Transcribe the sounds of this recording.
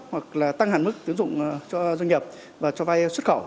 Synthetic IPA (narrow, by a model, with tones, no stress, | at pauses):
hwa˨˩k̚laː˨˩t̪a˧ŋɦaː˨˩nmɨ˦˥k̚t̪i˨˦əŋzʊ̰˧˨ŋ͡mt͡ɕɔ˧zwə˧ŋ̟ɲi˨˩p̚ | vaː˨˩t͡ɕɔ˧va˧jswə˦˥t̚xə˧˩w